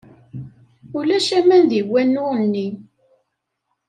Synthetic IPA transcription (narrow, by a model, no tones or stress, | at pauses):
ulæʃæmænðiwːænːʊnːi